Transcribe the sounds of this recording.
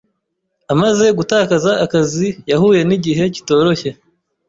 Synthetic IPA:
amaze̞ɡutaːkazaːkazijahuːje̞niɟiɦe̞ci̥to̞ːɾo̞çe

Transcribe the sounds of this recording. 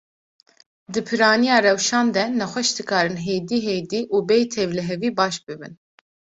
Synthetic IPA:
d̪ɨpʰɨɾɑːnijɑːɾɛwʃɑːnd̪ɛnɛxʷɛʃd̪ɨkɑːɾɨnɦeːd̪iːɦeːd̪iːʔuːbɛjt̪ʰɛvlɨɦɛviːbɑːʃbɨbɨn

